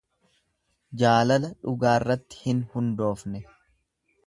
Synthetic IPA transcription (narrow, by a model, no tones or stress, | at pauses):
d͡ʒaːlɐlɐᶑʊɡaːɪrːɐt̪ːɪ̥hɪnhʊnd̪o̞ːfnɛ